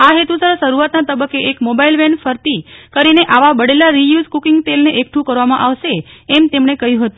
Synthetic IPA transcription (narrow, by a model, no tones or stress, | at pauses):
aɦet̪usəɾʃəɾuʋat̪nat̪əbəkːeʔekmobailʋɛnfəɾt̪ikəɾineʔaʋabəɽelaɾijuzkukiŋɡʈ̪elneʔekʈʰũkəɾʋamãʔaʋʃeːmt̪emɳ̃ekəɦjũɦət̪ũ